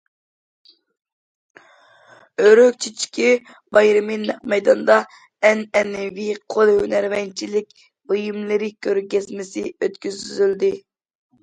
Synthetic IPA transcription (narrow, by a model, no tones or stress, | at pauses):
øɾøk̚ʲt͡ʃʰit͡ʃʰi̥kʲi | bɑjɾɨminːɛq̚mɛjd̪ɑnd̪ɑ | ɛnɛnːɪvɪqʰolˠhønæɾvɛnt͡ʃʰilɪkʲ | bojimlˠɨɾɪkʲʰøɾɡʲɛzmɪsɪøt̪kʲyzyzyld̪ɪ